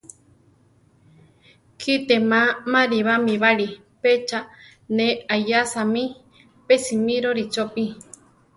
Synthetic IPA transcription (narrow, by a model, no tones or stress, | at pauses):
kʰit̪emãmãɾiβamĩβaɾi | pet͡ʃa | neajasamĩ | pesimĩɾoɾit͡ʃopi